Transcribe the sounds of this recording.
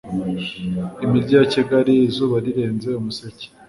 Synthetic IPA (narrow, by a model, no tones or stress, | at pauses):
imiɾɟaːciɡaɾiːzuːβaɾiɾe̞ːnze̞umusece̥